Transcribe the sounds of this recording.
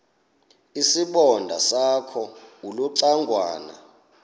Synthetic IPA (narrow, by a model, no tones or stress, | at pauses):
isiɓɔndʱa̰sakʰɔuluǀaŋɡʱwa̰ːna̰